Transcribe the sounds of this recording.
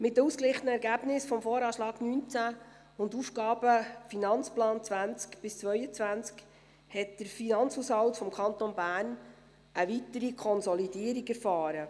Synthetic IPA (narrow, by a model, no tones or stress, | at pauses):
mɪt̚dəusklɪχənəɛɾɡæb̥nɪsfɔmfoːɾɑːʃlɑːɡnyːnt͡sæ | ʊndufɡɑːb̥əfinɑnt͡splɑːnt͡sʋænt͡skb̥ɪst͡sʋœʏət͡sʋænt͡sk | hɛt̚d̥əɾfinɑnt͡shuːshɑwtfɔmkʰɑnt̪onbæːɾn | ʔəʋitəɾikʰɔnsɔlidiːəɾiɡɛɾfɑːɾə